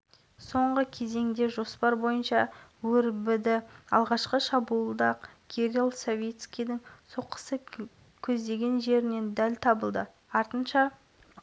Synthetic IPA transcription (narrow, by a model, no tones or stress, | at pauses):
so̞ɴʁəkʲʰe̞ze̞ŋd̪e̞ʒo̞spɑɾbo̞jənʃɑwɵɾbɪd̪ɪɑ̰lˠʁɑʃqəʃɑbuəlˠd̪ɑqɡʲʰeɾʲilˠsovʲet̪skʲijd̪ɪŋsoqə̥sə | kʲʰɵzd̪e̞ɡʲe̞nʒe̞ɾɪne̞nd̪ælt̪ʰɑbəlˠd̪ə | ɑɾt̪ənʃɑ